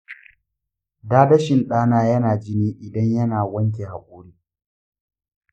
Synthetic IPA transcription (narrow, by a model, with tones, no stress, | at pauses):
daː˦dɐ˦ʃɪ˨nɗaː˦naː˦jɐ˦naː˨d͡ʒɪ˦niː˦ʔɪ˨dɐ˦ɲjɐ˦naː˨wɐ˦ŋk̬ʲe˨ha˨kʷʼoː˦ɽiː˦